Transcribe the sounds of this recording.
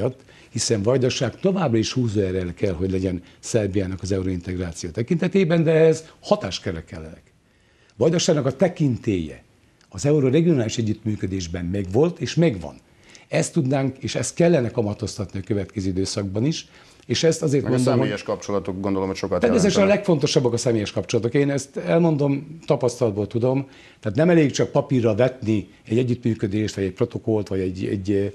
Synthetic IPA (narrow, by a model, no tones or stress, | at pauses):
ɒt̪ː | hisɛɱvɒjd̪oʃaːkt̪o̞vaːbrɒiʃhuːzoɛɾɛlkɛlɦo̞ɟlɛɟɛn | sɛrbijaːnɒkɒzɛuɾoint̪ɛɡraːt̪sijoːt̪ɛkint̪ɛt̪eːbɛnd̪ɛɛhɛzhɒt̪aːʃkɛɾɛkɛ̰lːɛ̰nɛ̰k | ʋɒjd̪oʃaːɡnɒkɒt̪ɛkint̪eːjɛ̰ | ɒzɛuɾoɾɛɡijonaːliʃɛɟːyt̪myːkød̪eːʒbɛmmɛɡʋo̞lt̪eːʃmɛɡʋɒ̰n | ɛst̪ːud̪naːŋkeːʃɛ̰st̪kɛlːɛnɛkɒmɒt̪o̞st̪ɒt̪niɒkøvɛt̪kɛzyːid̪øːsɒɡ̚bɒniʃ | eːʃɛst̪ɒzeːrt̪mondsomojɛʃkɒpt͡ʃolɒt̪okɡond̪olomhocʃokɒt̪ɛesɛt̪øʃɛnɒlɛkfo̞nt̪o̞ʃɒbːɒkɒsɛmeːjɛʃkɒpt͡ʃo̞lɒt̪o̞keːnɛst̪ɛlmo̞nd̪o̞mt̪ɒpɒst̪ɒlɒd̪boːlt̪ud̪o̞m | t̪ɛːt̪nɛmɛleːkt͡ʃɒk̚pɒpirːɒvɛt̪ni | ɛɟːɛɟːyt̪myːkød̪eːʃt̪ʋɒɟɛc̚pro̞t̪o̞ko̞lt̪ʋɒɟɛɟɛ̰ɟː